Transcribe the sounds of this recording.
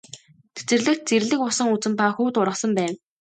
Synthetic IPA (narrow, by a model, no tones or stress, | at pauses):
t̪e̥t͡sɘ̆rɮɘ̆kt̪̚t͡seɾɮɘ̆k̚pʊsə̆ŋut͡sɘ̆mpaxuːt̪ʊɾʁə̆χsə̆mpæːw